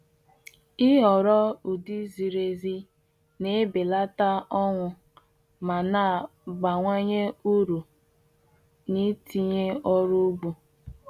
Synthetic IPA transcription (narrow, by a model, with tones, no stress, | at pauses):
i˦ɦɔ˨ɾɔ˦u˨di˦zi˨ɾe˨zi˦ | ne˦be˨la˦ta˦ɔ˦ŋʷʊ˨ | ma˨na˦˨ɡ͡ba˨ŋʷa˦ɲe˦u˦ɾu˨ | ni˦ti˦ɲe˦ɔ˦ɾu˦ɡ͡bu˨